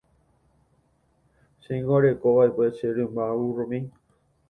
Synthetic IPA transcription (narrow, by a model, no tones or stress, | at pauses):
ʃẽŋɡoɾekoβaekʷet͡ʃeɾɨ̃mbauɾomĩ